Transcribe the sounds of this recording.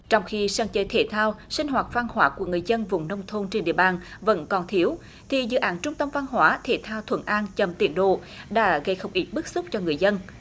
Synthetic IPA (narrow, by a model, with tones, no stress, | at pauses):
t͡ɕɔ˧wŋ͡mxi˧saː˧nt͡ɕəː˧˦jt̪ʰe˧˩t̪ʰaː˧wsï˧ŋ̟ɦwaː˨˩t̚va˧nhwaː˨˦ku˧˩əŋɨ˨˩əjzə˧nvʊ˨˩wŋ͡mnə˧wŋ͡mt̪ʰo˧nt͡ɕe˧nɗḭ˧˨əɓaː˨˩nvə̰˧˥nkɔ˨˩nt̪ʰi˨˦əw | t̪ʰi˨˩zɨ̰˧˦ʔaː˨˦nt͡ɕʊ˧ŋ͡mt̪ə˧mva˧nɦwaː˨˦t̪ʰḛ˧˩t̪ʰaː˧wt̪ʰwə̰˧˩nʔaː˧nt͡ɕə˨˩mt̪ḭ˧˩ənɗo̰˧˨ɗa̰ː˧˥ɣə˧jxə˧wŋ͡mʔi˦˥t̪̚ɓɨ˦˥k̚sʊ˦˥k͡p̚t͡ɕɔ˧ŋɨ˨˩əjzə˧n